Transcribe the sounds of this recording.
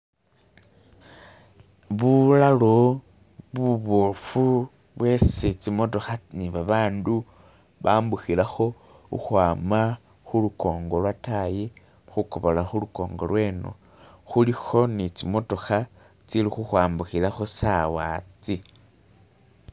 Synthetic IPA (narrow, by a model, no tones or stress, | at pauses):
βulalo | βuβofu | βwe̞set͡simo̞to̞xaniβaβaːndu | βaːmbuxilaxo̞ | ṵxwaːma | xuluko̞ːŋɡo̞lwataji | xukoβolaxuluko̞̰ːŋɡo̞̰lwe̞ːno̞̰ | xulixo̞nit͡simo̞to̞xa | t͡silixuxwaːmbuxilaxo̞sawaːt͡si